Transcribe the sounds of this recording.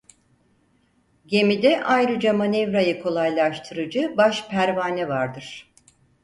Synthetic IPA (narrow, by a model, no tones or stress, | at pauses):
ɟe̞mid̪ɛʔajɾɯd͡ʒamanevɾajɯkʰo̞lˠajlˠaʃt̪ʰɯɾɯd͡ʒɯbaʃpʰæɾvaːnɛvaɾd̪ɯɾ̥